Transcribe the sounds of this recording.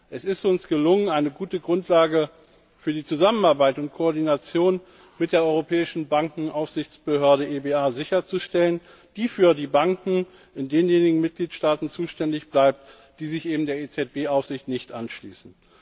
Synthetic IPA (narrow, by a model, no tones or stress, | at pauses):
ʔɛsɪstʊnsɡ̥əlʊŋənaɪnəɡuːtəɡʁʊntʰlaːɡə | fyːɐdiːt͡suzamənaɐbaɪtʊntkʰoɔɐdinat͡sjoːn | mɪt̚d̥eːɐʔɔʏʁopʰɛːɪʃn̩baŋkŋ̩ʔaʊfz̥ɪçt͡sb̥əhøɐɾəʔeːbeːaːzɪçɐt͡suʃtɛlən | d̥iːfyːɐdiːbaŋkŋ̩ | ʔɪndeːnjeːnɪɡŋ̩mɪt̚ɡ̥liːtʃtaːtn̩t͡suːʃtɛndɪçb̥laɪp̚t | d̥iːzɪçʔeːbm̩deːɐet͡sɛt̚b̥eːʔaʊfz̥ɪçtnɪçtʔanʃlḭːsn̩